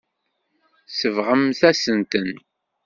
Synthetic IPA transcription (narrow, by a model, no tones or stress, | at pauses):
səvʁəmθæsənt̪ən